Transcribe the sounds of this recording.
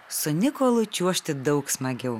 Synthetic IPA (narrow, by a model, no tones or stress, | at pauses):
sʊnʲɪkoːlˠʊt͡ʃʲuɔʃʲt̪ʲɪd̪ɐʊksmɐɡʲɛʊ